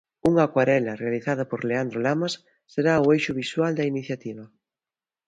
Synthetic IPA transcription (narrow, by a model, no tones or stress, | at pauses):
uŋakwaɾɛlarealiθað̞apoɾleand̪ɾolamasː | eɾaoejʃʊβiswald̪ɐiniθjat̪iβ̞ɐ